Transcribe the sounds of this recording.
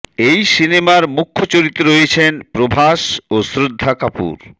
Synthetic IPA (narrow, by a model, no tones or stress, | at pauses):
ejsinemaɾmukʰːot͡ɕoɾit̪ːeɾoet͡ɕʰenpɾobʱaʃosɾod̪ʱːakapṵɾ